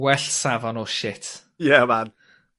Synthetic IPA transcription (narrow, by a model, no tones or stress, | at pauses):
wɛɬsavɔnɔʃɪtʰ | jɛman